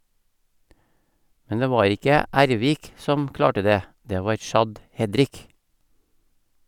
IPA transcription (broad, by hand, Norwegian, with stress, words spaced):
ˈmɛn ˈdeː ˈʋɑːɾ ˈɪkə ˈʔæɾˌʋiːk ˈsɔm ˈklɑːʈə ˈdeː ˈdeː ˈʋɑːɾ ˈʃɑd ˈhɛdɾɪk